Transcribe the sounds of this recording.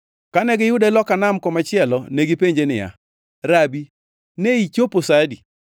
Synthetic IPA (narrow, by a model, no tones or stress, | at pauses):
kanɛɡɪjʊdalɔkanamkɔmat͡ʃɪɛlɔneɡipeɲd͡ʒenɪja̰ | ɾabi | neit͡ʃoposadi